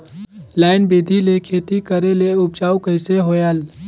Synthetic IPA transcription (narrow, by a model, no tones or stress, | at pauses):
laːɪnbeːd̪ʱilekʰeːt̪ikəɾeleʊb̚t͡ʃaːukəɪseɦoːjaːl